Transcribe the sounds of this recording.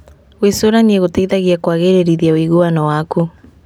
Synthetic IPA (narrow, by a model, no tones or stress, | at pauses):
ɣwesoɾanieɣoteiðaɣiakwaɣeɾeɾiðiawiɣuanɔwaku